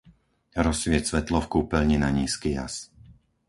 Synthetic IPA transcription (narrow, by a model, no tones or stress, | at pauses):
ɾɔsʋɪɛcsʋɛt̪lɔfkuːpɛlɲinaɲiːskija̰s